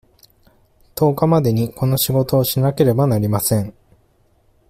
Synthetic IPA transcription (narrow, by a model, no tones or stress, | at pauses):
t̪o̞ːkamad̪e̞ɲ̟iko̞no̞ɕiɡo̞t̪o̞ːɕinake̞ɾe̞banaɾʲimasẽ̞ɴ